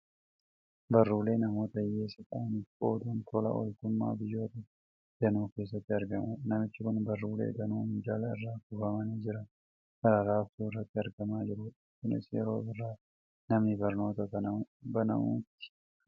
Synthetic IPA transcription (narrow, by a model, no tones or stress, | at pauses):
bɐrːuːle̞ːnɐmoːt̪ɐjeːsɐkʼaːnɪfkoːd̪unt̪ɔlɐ̰ʔɔ̰lkʊmːa̰ːbɪjːo̞ːt̪ɐ | d̪̥ɐnuːke̞ːs̬ːɐt̪ːɪɐɾɡɐmʊnɐmɪt͡ʃːɪkʊnbɐrːuːlḛːd̪ɐnuːhʊd͡ʒaːlɐɪrːaːkʊfɐmɐniːd͡ʒɪɾɐ | kɐɾɐɾaːft̪uːɪrːɐt̪ːɪɐɾɡɐmaːd͡ʒɪɾʊɪkɪnɪ̰sjɛ̰ɾo̞̰ːbɪrːaː | nɐmnɪbɐɾno̞ːt̪ɐɐbɐnɐ̰mṵːt̪ːɪ̥